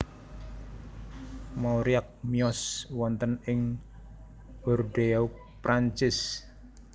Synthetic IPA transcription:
mauɾiak̚miɔswɔnt̪ənɪŋ | ɔrd̪eau | pɾaɲt͡ʃɪs

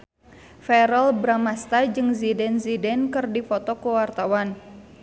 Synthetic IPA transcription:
fɛɾɔlbɾamast̪ad͡ʒɨŋzidɛnzidɛnkɨrdifɔt̪ɔkəwart̪awan

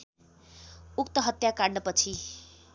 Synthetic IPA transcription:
ukt̪ʌɦʌt̪jakaɽnʌpʌt͡sʰi

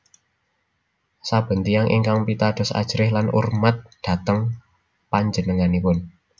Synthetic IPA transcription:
sab̥ə̤nt̪iaŋʔḭŋkaŋpit̪ad̪̥ɔ̤sa̰d̥ʒ̥ɾɪhlanʔṵrmat̪̚d̪̥ä̤t̪əŋ | paɲd͡ʒənəŋanipʊn

